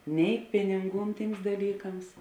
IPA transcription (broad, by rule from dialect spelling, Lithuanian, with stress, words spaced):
nʲɛɪ ˈpʲɪnʲɪŋˌɡuːn ˈtʲiːms dɐˈlʲiːkɐms